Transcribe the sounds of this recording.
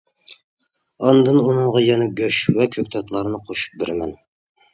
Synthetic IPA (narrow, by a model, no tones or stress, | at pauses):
ɑnd̪ɨnunɨɴʁɑjɛnɛɡʲøʃwɛkʲʰøkʲt̪ʰɑt̪ʰlˠɑɾɨnɨqʰoʃu̥p̚bɪɾɪmɛn